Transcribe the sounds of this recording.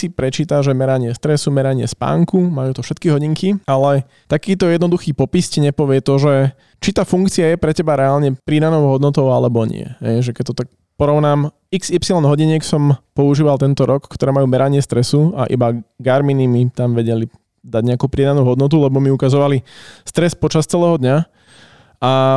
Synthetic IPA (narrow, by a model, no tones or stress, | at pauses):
sipɾɛt͡ʃiːt̪aʒɛmɛɾaɲɪɛst̪ɾɛsumɛɾaɲɪɛ̰spa̰ːŋkumajuːt̪ɔfʃɛt̪kiɦɔɟiŋkialɛ | t̪akiːt̪ɔjɛd̪nɔd̪uxiːpɔpiscɛɲɛpɔʋɪɛt̪ɔʒɛ | t͡ʃit̪aːfuŋkt͡siajɛpɾɛcɛbaɾɛalɲɛpɾid̪anɔʊɦɔd̪nɔt̪ɔʊalɛbɔɲɪ̰ɛ̰ɦɛ̰jʒɛkɛt̪ɔt̪ak̚ | pɔɾɔʊnaːm | iksipsilɔnd̪ɦɔɟiɲɪɛksɔmpɔuʒiːʋalt̪ɛnt̪ɔɾʔɔkkːt̪ɔɾɛːmajuːmɛɾaɲɪɛst̪ɾɛsua̰ʔḭbaɡaɾminimit̪amʋɛɟɛli | d̪aɟɲɛakuːpɾid̪anuːɦɔd̪nɔt̪̬ulɛbɔmiukazɔʋalist̪ɾɛspɔt͡ʃast͡sɛlɛːɦɔd̪ɲa | ʔa